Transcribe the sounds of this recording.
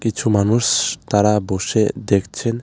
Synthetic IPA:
kit͡ʃʰumanuʃt̪aɾaboʃed̪ekʰt͡ɕʰen

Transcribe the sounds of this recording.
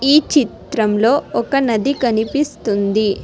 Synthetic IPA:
iːt͡ʃit̪ɾɐmlo̞ːɔkɐnɐd̪ikɐnipist̪und̪i

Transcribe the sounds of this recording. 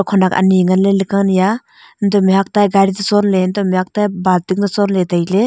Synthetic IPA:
kʰɔnaka̰niŋanlelɯkanja | ndɔmiɦak̚tajɡaɾizasɔnlendɔmiɦak̚tajbaltiŋdasɔnletajle

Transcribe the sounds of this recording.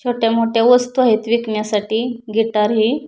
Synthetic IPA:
t͡ɕʰoʈjamoʈjaʋəst̪uaɦit̪ʋikmjasaʈiːɡiʈ̪aɾɦiː

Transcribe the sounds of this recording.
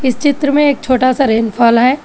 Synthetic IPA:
ɪst͡ʃɪt̪ɾəmẽeːk̚t͡ʃʰoːʈasaɾeːnfʰaːlɦɛː

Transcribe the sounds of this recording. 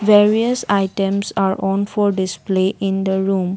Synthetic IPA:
ʋeɾiəsaɪʈə̃msaːɾɔ̃nfɔɾɖɪspleʔɪ̃nd̪əɾũːm

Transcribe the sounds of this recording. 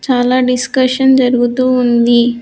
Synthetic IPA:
t͡ʃaːlaːɖiskɐʂɐnd͡ʒɐɾuɡut̪uːnd̪i

